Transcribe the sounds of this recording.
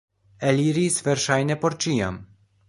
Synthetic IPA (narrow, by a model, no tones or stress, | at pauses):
eliɾisveɾʃajnepo̞ɾt͡ʃia̰m